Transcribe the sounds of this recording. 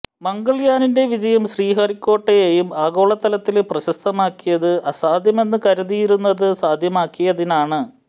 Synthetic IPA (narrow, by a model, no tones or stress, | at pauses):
mɐŋɡɐɭjaːninde̞ʋid͡ʑɐjɐmɕriːɦɐrikʲːo̞ːʈːɐjejumaːɣo̞ːɭɐt̪ːɐlɐt̪ːilprɐɕɐst̪ʰɐmaːkːijɐðɨʔɐsaːd̪ʱjɐme̞nːɨkɐɾuðijiɾunːɐðɨsaːd̪ʱjɐmaːkːijɐðinaːɳɨ